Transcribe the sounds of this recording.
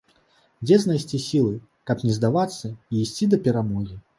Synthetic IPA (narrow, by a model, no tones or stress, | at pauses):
d͡zʲɛznajsʲt͡sʲisʲilˠɨ | kɐpnʲɛzd̪avat̪sːɐiːsʲt͡sʲid̪ɐpʲɛɾamɔɣʲi